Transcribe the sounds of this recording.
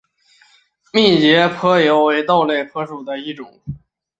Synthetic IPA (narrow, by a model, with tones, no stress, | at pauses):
mi˥˩t͡ɕjɛ˧˥pʰɤ˥jo˧˥ʊwe˧˥ɪt̪ɑ˥˧ʊle˥˩ɪpʰɤ˧˥ʂu˨˩d̪ə˦i˥˩ʈ͡ʂʊ˨˩˦ŋ